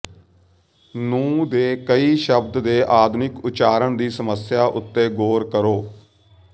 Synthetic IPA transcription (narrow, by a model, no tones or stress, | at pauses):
nũːd̪eːkəiːʃəbd̪d̪eːʔaːd̪nɪkʊt͡ʃaːɾəɳd̪iːsəməsjaːʔʊt̪ːeːɡoːɾkəɾoː